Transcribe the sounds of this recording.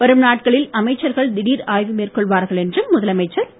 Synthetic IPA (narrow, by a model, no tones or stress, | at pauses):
pɐɾɯmnaːʈkɐɭɪlɐmɐɪt͡ʃːɐɾɣɐɭd̪ɪɽiːɾaːjʋɯmeːrkɔɭʋaːɾɣɐɭɛndrɯmːʊðɐlɐmɐɪt͡ʃːɐɾ